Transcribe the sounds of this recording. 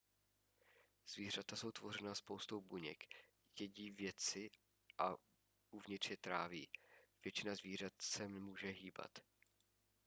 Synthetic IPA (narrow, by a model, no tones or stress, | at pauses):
z̥viːr̝at̪aso̞wt̪vo̞r̝ɛnaspo̞wst̪owbuɲɛ̰k | jɛɟiːvjɛt͡sɪ | ʔa | uvɲɪt̪r̥jɛt̪ɾa̰ːvḭːv̥jɛt͡ʃɪnazviːrat̪sɛmmuːʒɛɦiːba̰t̪